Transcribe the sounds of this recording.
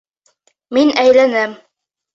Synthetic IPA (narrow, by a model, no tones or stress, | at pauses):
minæjlænæm